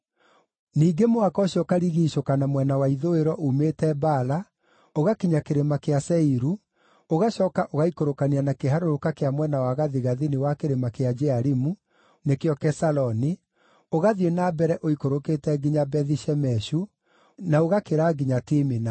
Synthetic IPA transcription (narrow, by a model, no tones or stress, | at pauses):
niːɡemoakɔɕjɔkaɾiɣiːʃokanamwɛnawaiðoeɾɔʔumetɛbaːla | oɣakiɲakeɾemakeasɛiɾu | oɣaɕɔːkaʔoɣaikoɾokanianakeɦaɾoɾokakeamwɛnawaɣaðiɣaðinewakeɾemakead͡ʒɛaɾimu | nekeɔkɛsalɔni | oɣaðienabɛɾɛʔoikoɾoketɛɡiɲabɛðiʃɛmɛʃu | naoɣakeɾaːɡiɲatimina